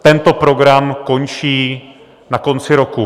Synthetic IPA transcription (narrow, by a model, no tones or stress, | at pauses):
t̪ɛnt̪o̞pɾo̞ɡɾamko̞nt͡ʃiː | nako̞nt͡sɪɾo̞ku